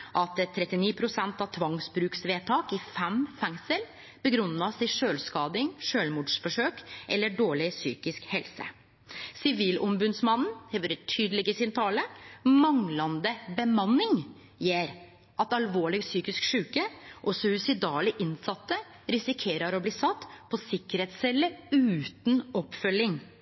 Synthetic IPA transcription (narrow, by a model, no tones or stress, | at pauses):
ʔɑt̪ɛt̪ʰːɾɛt̪ːɪniːpʰɾʊsɛnt̪ɑʋt̪ʰʋɑŋsbɾʉːksʋeːt̪ʰɑːkɪfɛmfɛŋsəl | bəɡɾʉnːɑsɪʂøːlskɑːd̪ɪŋʂøːlmuːɖʂfɔʂøːkʔɛlːəɖoːɭɪsy̰ːkɪskhɛlsə̰ | sɪʋiːlɔmbʉd̪smɑnn̩hɛʋøːɾət̪ʰyːd̪əlɪɡəsɪnt̪ʰɑːləmɑŋlɑnd̪əbəmɑnːɪŋ | jeːɾ | ʔɑt̪ɑlʋoːɭɪɡsyːkɪskʂʉːkəʔɔsɔʉsɪd̪ɑːlɪʔɪnsɑt̪ːə | ɾɪsɪkʰeːɾɑɾɔbliːsɑt̪ːpʰɔsɪkːəɾheːt̪sɛlːəʉːt̪nɔpːfœlːɪŋ